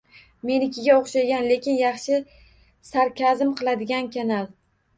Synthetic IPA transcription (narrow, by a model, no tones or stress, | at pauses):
me̞nɪkʲʰɪɡʲaoχʃaɡʲanle̞kʲɪnjɑχʃɪ | saɾkʲʰazɪmqʰɨlˠad̪ɪɡʲankʲʰanal